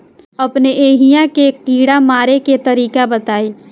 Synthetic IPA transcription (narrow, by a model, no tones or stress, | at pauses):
ɐpneʔeːɦijakekiːɽamaːɾeket̪ɐɾiːkabɐt̪aːiː